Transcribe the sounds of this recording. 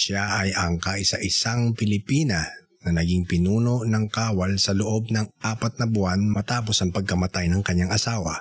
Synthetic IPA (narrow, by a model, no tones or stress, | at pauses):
ʃaʔɐjʔɐŋkaʔɪsa̰ʔɪsaŋpɪlɪpiːnɐ | nɐnɐɡiŋpɪnuːno̞ʔnɐŋkaːwɐlsɐloʔo̞b̚nɐŋʔaːpɐt̪̚nɐbʊanmɐt̪aːpo̞sɐŋpɐɡ̚kɐmɐt̪ajnɐŋkɐɲːaŋɐsaːwɐ̰